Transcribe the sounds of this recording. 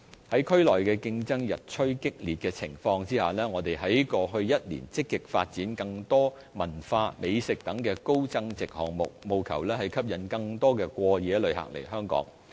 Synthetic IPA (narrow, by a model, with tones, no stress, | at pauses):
hɐ˨˥jkʰɵ˥ɥlɔː˨˩jkɛː˧kɪ˧ŋt͡sɐ˥ŋjɐ˨t̚t͡ʃʰɵ˥ɥkɪ˥k̚liː˨t̚kɛː˧t͡sʰɪ̰˨˩ŋfɔː˧ŋt͡siː˥haː˨˩lɛː˥ŋɔː˨˧t̪e˨jɦɐ˨˥jkɔː˧ɦɵ˧ɥjɐ˥t̚lḭː˨˩nt͡sɪ˥kːɪ˨k̚fa̰ː˧t̚t͡siː˨˥nkɐ˧ŋt̪ɔː˥ | mɐ˨˩nfaː˧me˨˧jsɪ˨k̚t̪ɐ˨˥ŋkɛː˧ko˥wt͡sɐ˥ŋt͡sɪ˨k̚hɔ̰ː˨ŋmʊ̰˨k̚mo˨wkʰɐ̰˨˩wlɛː˥hɐ˨˩jkʰɐ˥p̚jɐ˨˥nkɐ˧ŋt̪ɔː˥kɛː˧kʷɔː˧jɛː˨˧lɵ˨˧ɥha̰˨k̚lḛ˨˩jɦœː˥ŋkɔ̰ː˨˥ŋ